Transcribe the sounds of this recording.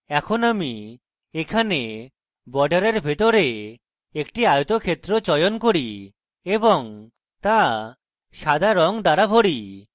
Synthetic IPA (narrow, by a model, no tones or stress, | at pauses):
ɛkʰonami | ekʰane | bɔɖaɾeɾbʱet̪oɾe | ekʈiajot̪okʰet̪ːɾot͡ɕɔjonkoɽi | eboŋ | t̪a | ʃad̪ʱaɾɔŋd̪aɾabʱoɽi